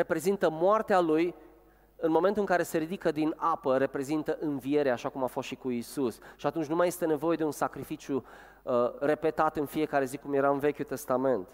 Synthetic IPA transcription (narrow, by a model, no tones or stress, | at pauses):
e̞pɾe̞zint̪əmoart̪ealuj | ɨnmo̞ment̪ulɨŋkaɾe̞se̞ɾid̪ikəd̪inapəɾe̞pɾe̞zint̪əʔɨnvie̞ɾeaːʃakumafost̪ʃikuisusʃiat̪unt͡ʃʲnumaje̞st̪e̞ne̞vo̞je̞d̪e̞unsakɾifit͡ʃju | əre̞pe̞t̪at̪ɨnfie̞kaɾe̞zikumje̞ɾaɨnve̞kʲut̪e̞st̪ame̞nt̪